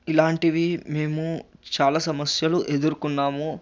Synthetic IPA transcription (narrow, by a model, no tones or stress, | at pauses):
ilaːɳʈiʋime̞ːmut͡ʃaːlaːsɐmɐsjɐluʔe̞d̪uɾukunːaːmu